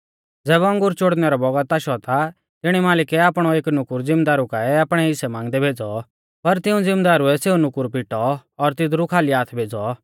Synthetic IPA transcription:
d͡zɛːbɐ̃ŋɡʊɾt͡ʃoɽnɛɾɔbɔɡət̪aʃɔt̪a | t̪ɪɽ̃imaːlɪkɛaːpɽ̃ɔeːknʊkʊɾd͡zɪmd̪aːɾukaɛaːpɽ̃ɛɪsɛmãːŋɡd̪ɛbʱeːd͡zɔ | pɐɾt̪ɪũd͡zɪmd̪aːɾuɛseːunʊkʊɾpɪʈɔːɾt̪ɪd̪ɾukʰaːliaːt̪ʰbʱeːd͡zɔ

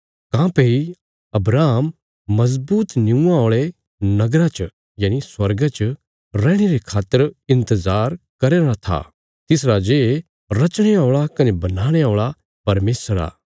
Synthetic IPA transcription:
kãːpei | ɐbɾaːmː | ɐzbuːt̪nɪũãoːɭe | nɐɡɾat͡ʃ | jaːniswɐɾɡat͡ʃ | ɾɛ̃ːɽ̃eɾekʰaːt̪ːəɾɪ̃nt̪əzaːɾkɐɾeːɾat̪ʰa̰ | t̪ɪsɾad͡ʒeː | ɾɐt͡ʃɽ̃eoːɭakɐnebɐnaːɽ̃eoːɭa | pɐɾmeːsɾa̰ː

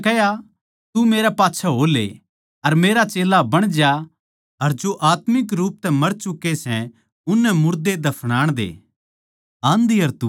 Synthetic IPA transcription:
kɛja | t̪umeːɾapaːtːʃʰaɦoːlḛ | ɐɾmeːɾat͡ʃeːlabɐɽ̃d͡ʒja | ɐɾd͡ʒoʔaːt̪mɪkɾuːp̚t̪ɛmɐɾt͡ʃʊkːesɛ̃ | ʊnːɛmʊɾd̪ed̪ɐpʰɽ̃aːɽ̃d̪ḛː | ãːnd̪iɐɾt̪u

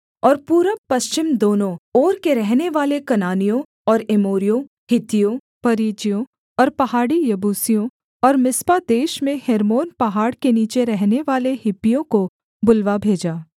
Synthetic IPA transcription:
ɔːɾpuːɾəpɐst͡ʃɪmd̪oːnõɔːɾkeɾɛɦneʋaːlekɐnaːnijõ | ɔːɾɪmoːɾijõ | hɪt̪ijõ | pɐɾiːd͡ʒijõ | ɔːɾpɐɦaːɽijɐbuːsijõ | ɔːɾmɪspad̪eːʃmẽhɛːɾmoːnpɐɦaːɽkeniːt͡ʃeɾɛɦneʋaːlehɪpːijõko | bʊlʋabʱeːd͡ʒaː

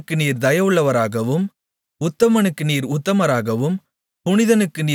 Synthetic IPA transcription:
kːɯniːɾd̪ɐjɐʋɯɭːɐʋɐɾaːɣɐʋɯm | ʊt̪ːɐmɐnɯkːɯniːɾʊt̪ːɐmɐɾaːɣɐʋɯm | pʊɳɪðɐnɯkːɯniː

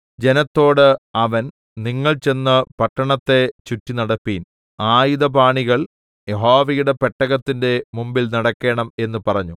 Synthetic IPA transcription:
d͡ʑe̞nɐt̪ːo̞ːɽɨɐʋɐn | niŋːɐɭt͡ɕe̞nːɐpɐʈːɐɳɐt̪ːe̞t͡ɕutːinɐɽɐpːiːn | aːjiðɐbʱaːɳiɣɐɭ | jeɦoːʋɐjuɽe̞peʈːɐɣɐt̪ːinde̞mumbilnɐɽɐkːe̞ːɳɐme̞nːupɐrɐɲːu

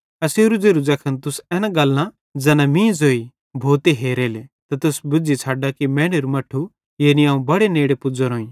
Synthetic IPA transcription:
ɐseːɾud͡zeːɾud͡zɐkʰənt̪ʊsɛːnaɡɐlːã | d͡zɛːnãmĩːzoːi | bʱoːt̪eɦeːɾeːlet̪ɐt̪ʊsbʊd͡zit͡sʰaːɖakimɛ̃ːɽeɾumɐʈʰːu | jeːniãːũbɐɽeneːɽepʊd͡zɐɾõːĩ

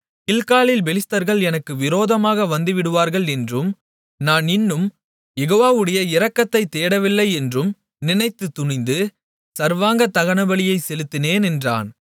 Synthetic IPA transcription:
kɪlkaːlɪlbɛlɪst̪ɐɾɣɐɭɛnɐkːɯʋɪɾoːðɐmaːɣɐʋɐnd̪ɯʋɪɽɯʋaːɾɣɐɭɛndrɯm | naːnɪnːɯm | jɛɣoːʋaːʋɯɽɐjɐɪɾɐkːɐt̪ːɐɪt̪eːɽɐʋɪlːɐɪɛndrɯm | nɪnɐɪt̪ːɯt̪ːʊɳɪnd̪ɯ | sɐɾʋaːŋɡɐt̪ɐɣɐɳɐbɐɭɪjɐɪsɛlɯt̪ːɪneːnɛndra̰ːn

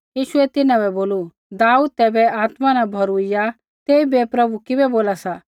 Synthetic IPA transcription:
jiːʃʊɛt̪ɪnãbɛboːlu | d̪aːuːd̪̚t̪ɛːbɛaːt̪manabʱɔɾuɪja | t̪eːibɛpɾɐbukɪbɛboːlasa

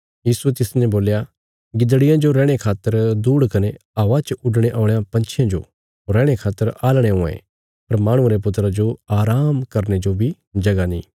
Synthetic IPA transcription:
jiːsuet̪ɪsnɛ̃boːlja | ɡɪd̪ɽɪjãd͡ʒoɾɛːɽ̃ekʰaːt̪ːəɾd̪uːɽkɐneaːʋat͡ʃʊɖɽ̃eʔɔ̃ːɽejãpɐ̃nt͡ʃʰjãd͡ʒo̰ | ɾɛ̃ːɽ̃ekʰaːt̪ːəɾaːlɽ̃eɦõḛ̃ | pɐɾmaːɽ̃ʊ̃aɾep̬ʊt̪ːɾad͡ʒoaːɾaːmkɐɾned͡ʒobʱi | d͡ʒɐɡanĩː

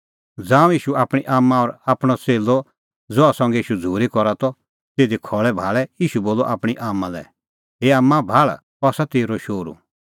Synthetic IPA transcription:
d͡zãːũiːʃuaːpɽ̃iʔaːmːãɔɾaːpɽ̃ɔt͡seːlɔ | d͡zɔasɔ̃ŋɡɛiːʃud͡zʱuːɾikɔɾat̪ɔ | t̪eːd̪ikʰɔɭɛbʱaːɭɛiːʃuboːlɔʔaːpɽ̃iʔaːmːalɛ̰ | ɦeaːmːãbʱaːɭ | ɔːsat̪eːɾɔʃoːɾṵ̃

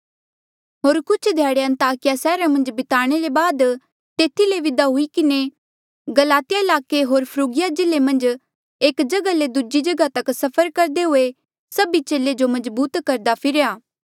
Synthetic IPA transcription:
ɦoːɾkʊt͡ʃʰd̪ʱjaːɽeɐ̃nt̪aːkɪjasɛːɾamɐ̃nd͡ʒbɪt̪aːɽ̃eɾebaːd̪ | t̪eːt̪ʰileʋɪd̪aɦʊikɪne | ɡɐlaːt̪ɪjaɪlaːkeɦoːɾpʰɾuːɡɪjad͡ʒɪlemɐ̃nd͡ʒ | eːkd͡ʒɐɡaled̪ʊd͡ʒid͡ʒɐɡat̪ɐksɐpʰəɾkɐɾd̪eɦʊe | sɐbit͡ʃeːled͡ʒomɐzbuːt̪kɐɾd̪apʰɪɾjaː

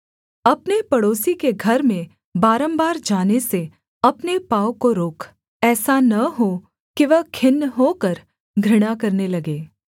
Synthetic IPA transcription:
ɐpnepɐɽoːsikeɡʱɐɾmẽ | baːɾə̃mbaːɾd͡ʒaːnese | ɐpnepaːwkoɾoːkʰ | ɛːsanɐɦo | kiʋɐɦkʰɪnːɦokəɾ | ɡʱɾɪɽ̃akɐɾnelɐɡeː

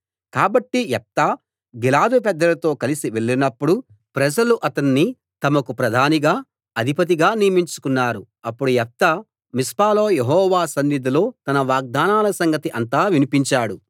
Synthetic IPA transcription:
kaːbɐʈːijɛp̚t̪ɐ | ɡilaːd̪upɛd̪ːɐlɐt̪o̞ːkɐlisiʋeɭːinɐpːuɽu | pɾɐd͡ʒɐluʔɐt̪ɐnːi | t̪ɐmɐkupɾɐd̪ʱaːniɡaː | ɐd̪ʱipɐt̪̬iɡaːnijɐmiɲt͡ʃu̥kunːaːɾu | ɐpːuɽujɛp̚t̪ɐ | mispaːloːjeɦɔːʋaːsɐnːid̪ulo̞ːt̪ɐnɐʋaːɡ̚d̪aːnaːlɐsɐŋɡɐt̪iʔɐnt̪aːʋinipiɲt͡ʃaːɽu

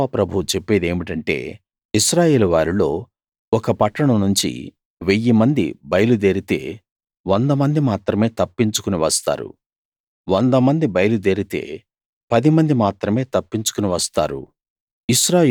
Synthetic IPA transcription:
apɾɐbʱut͡ʃepːe̞ːd̪e̞ːmiʈɐɳʈe̞̰ː | iʃɾaːjeːluʋaːɾilo̞ː | ɔkɐpɐʈːɐɳɐmnuɲt͡ʃḭ | ʋejːimɐnd̪ḭbɐjɐlud̪eːɾit̪e̞̰ː | ʋond̪ɐmɐnd̪imaːt̪ɾɐme̞ːt̪ɐpːiɲt͡ʃu̥kuniʋɐst̪a̰ːɾṵ | ʋond̪ɐmɐnd̪ibɐjɐlud̪e̞ːɾit̪e̞̰ː | pɐd̪imɐnd̪imaːt̪ɾɐme̞ːt̪ɐpːiɲt͡ʃu̥kuniʋɐst̪a̰ːɾṵ | iʃɾaː

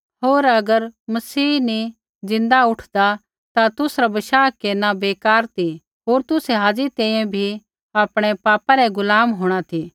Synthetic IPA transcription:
ɦoːɾɐɡəɾmɐsiːni | zɪ̃nd̪aʊʈʰd̪a | t̪at̪ʊsɾabɐʃaːkːeːnabeːkaːɾt̪ʰi | ɦoːɾt̪ʊsɛɦaːd͡ʒit̪ɛ̃ːĩjɛ̃bʱi | aːpɽ̃ɛpaːpaɾɛɡʊlaːmɦoːɽ̃at̪ʰi

